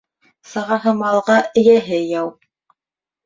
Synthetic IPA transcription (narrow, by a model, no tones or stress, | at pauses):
sɤ̆ʁɑɦɤmɑlˠʁɑɘ̆jæɦɘjɑw